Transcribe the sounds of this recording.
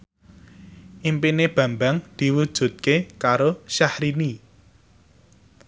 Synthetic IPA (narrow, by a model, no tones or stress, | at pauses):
ʔimpineb̥ä̤mbaŋd̪̥i̤wud̥ʒ̥ṳt̪̚kekaɾoʃahɾini